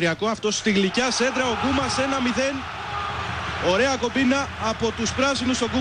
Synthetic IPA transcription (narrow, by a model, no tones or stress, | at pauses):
ɾiɐko̞ɐft̪o̞st̪iɣlicɐse̞d̪ɾɐo̞ɡumɐse̞nɐmiðe̞n | o̞ɾe̞ɐko̞binɐːpo̞t̪uspɾɐsinuso̞ɡu